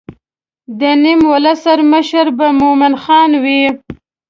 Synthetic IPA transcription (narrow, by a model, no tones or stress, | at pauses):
d̪ənimwalasaɾməʃəɾbamomɪnxɑnwi